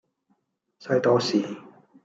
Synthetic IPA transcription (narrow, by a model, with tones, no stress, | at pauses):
sɐ˧˥jt̪ɔː˧siː˨˩